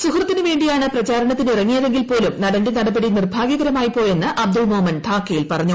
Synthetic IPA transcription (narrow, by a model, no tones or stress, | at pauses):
sukrɐt̪ːinɨʋe̞ːɳɖijaːɳɨprɐt͡ɕaːɾɐɳɐt̪ːinirɐŋːijɐðe̞ŋɡilpo̞ːlumnɐɽɐndenɐɽɐbɐɽinirbʱaːɡjɐɣɐɾɐmaːjipo̞ːje̞nːɨʔɐb̚d̪ɐlmoːmɐnt̪ʰaːkːɐjilpɐrɐɲːu